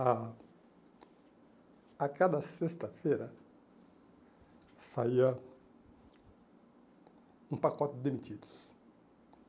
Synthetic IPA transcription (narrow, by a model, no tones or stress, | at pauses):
a | akad̪ɐsest̪ɐfeɾɐ | saiɐ | ũpakɔt̪ɪd̪emit͡ʃ̪id̪ʊ̥s